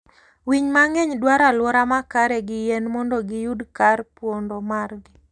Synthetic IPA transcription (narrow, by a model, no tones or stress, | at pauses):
wiɲmaŋɛɲdwaɾalwɔɾamakaɾɛɡɪjɛnmɔndɔɡɪjudkarpwondɔmarɡɪ